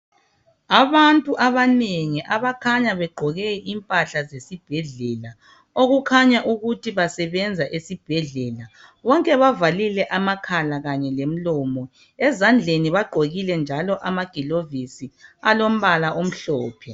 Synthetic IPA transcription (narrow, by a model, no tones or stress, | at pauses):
aβantʼuʔaβaneŋiʔaβakʰaɲaβɛɡ͡ǃʱɔɣɛʔimpʼaɬazesib̥ʱɛɮɛla | oɣukʰaɲaʔuɣutʰiβasɛβɛnd͡zʱaʔesib̥ʱɛɮɛla | βɔŋkʼɛβavalilɛʔamakʰalaɣaɲɛlem̩lɔmɔ | ɛzand͡ɮʱeniβaɡ͡ǃʱoɣilɛnd͡ʒʱalɔʔamaɡ̥ʱilovisialom̩βalaʔom̩ɬɔːpʰɛ